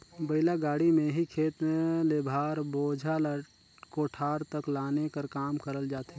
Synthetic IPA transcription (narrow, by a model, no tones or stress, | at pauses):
bəɪlaɡaːɽimẽɦikʰeːt̪lebʱaːɾboːd͡ʒʱal | koːʈʰaːɾt̪əklaːnekəɾkaːmkəɾəld͡ʒaːt̪e